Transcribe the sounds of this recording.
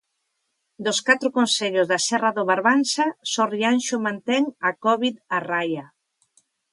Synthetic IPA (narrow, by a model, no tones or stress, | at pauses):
d̪oskat̪ɾʊkonseʎʊzðasɛraðoβaɾβansasɔrianʃʊmãnt̪ɛŋakɔβiðaraja